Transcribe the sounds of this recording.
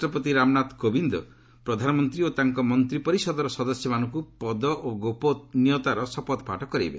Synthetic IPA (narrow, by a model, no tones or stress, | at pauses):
ʈɔpɔt̪iɾamnat̪kobind̪ɔ̰ | pɾɔd̪ʱanɔmɔnt̪ɾiot̪aŋkɔmɔnt̪ɾipɔɾisɔd̪ɔɾɔsɔd̪ɔsjɔmanɔŋkupɔd̪ɔʔoɡopɔnijɔt̪aɾɔsɔpɔt̪ɔpa̰ʈɔkɔɾḭbḛ